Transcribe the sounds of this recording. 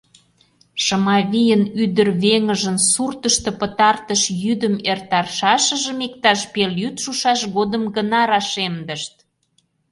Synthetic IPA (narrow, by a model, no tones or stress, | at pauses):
ʃəmɑβʲijənyd̪ərβeŋəʒənsurt̪əʃt̪ɤ̆pət̪ɑrt̪əʃjyd̪əmert̪ɑrʃɑʃəʒə̆mekt̪ɑʃpeljyt̪ʃuʃɑʃɣod̪əmɡənɑɾɑʃemd̪əʃt̪̚